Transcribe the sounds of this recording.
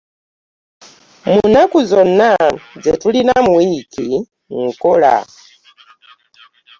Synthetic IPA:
munakuzonazetulinamwikʰi | ŋ̩kola̰

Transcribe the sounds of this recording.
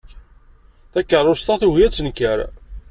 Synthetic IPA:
θækːərˤʊst̪ɑθuhjæt͡sːənkːəɾ

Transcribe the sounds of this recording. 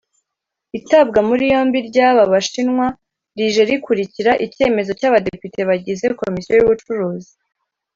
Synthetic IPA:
itabɡamuɾijo̞ːmbiɾɟaβaβaʃinŋwa | ɾiʒe̞ɾikuɾiciɾaʔice̞ːme̞zo̞caβadepite̞βaɟize̞ko̞misijojuβut͡ʃuɾuːzi

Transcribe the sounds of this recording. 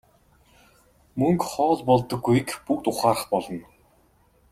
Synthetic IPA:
mɵŋkχɔːɮpɔɮt̪ɞ̆ɡːujkpukt̪ʊχaːɾə̆χpɔɮɞ̆n

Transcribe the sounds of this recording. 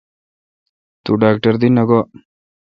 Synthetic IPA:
t̪uɖaːk̚ʈəɾd̪inɐɡɔ

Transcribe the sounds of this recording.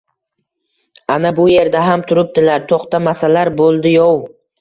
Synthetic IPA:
anabʊje̞ɾd̪aɦamt̪ʰʊɾɪp̚d̪ɪlaɾt̪ʰoχt̪ʰamasalaɾbolˠd̪ɪjɒw

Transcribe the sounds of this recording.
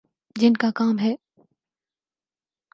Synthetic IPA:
d͡ʒɪnkakaːmɦɛː

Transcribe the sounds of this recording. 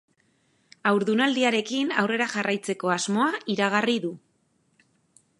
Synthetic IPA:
awɾðunald̪iaɾe̞kinawre̞ɾaʝarʔajt͡se̞ko̞azmo̞aiɾaɣ̞ariðu

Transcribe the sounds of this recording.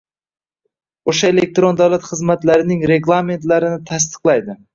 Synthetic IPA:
oʃaelek̚t̪ɾond̪awlat̪χɨzmat̪laɾɪnɪŋɾe̞ɡlˠame̞nt̪laɾɪnɪt̪ʰast̪ɨ̥qlˠajd̪ɪ

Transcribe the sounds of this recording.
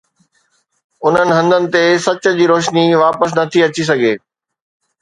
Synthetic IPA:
ʊn̤ənɪ̆ɦɐ̃nd̪ənɪ̆t̪esɐt͡ɕ̆d͡ʑiːɾoːʃniʋaːpəs̬nɐt̪ʰiɐt͡ɕis̬ɐɡʱeː

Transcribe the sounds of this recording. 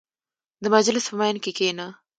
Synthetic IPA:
d̪əmad͡ʒlɪspəmajnkekena

